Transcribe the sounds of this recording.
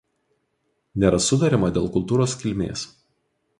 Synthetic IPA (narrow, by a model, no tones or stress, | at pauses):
nʲeːɾɐsʊd̪ɐɾʲɪmɐd̪ʲeːlˠkʊlˠˑt̪uːɾoːskʲɪlʲmʲḛːs